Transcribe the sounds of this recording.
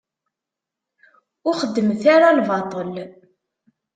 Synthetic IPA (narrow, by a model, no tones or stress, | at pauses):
ʊɾχəd̪ːəmθaɾalvɑt̪ˤəl